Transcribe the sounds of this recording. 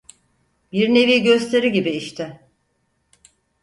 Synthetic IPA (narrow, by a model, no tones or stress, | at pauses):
biɾne̞viːɟø̞st̪ʰe̞ɾiɟibiːʃt̪ʰɪ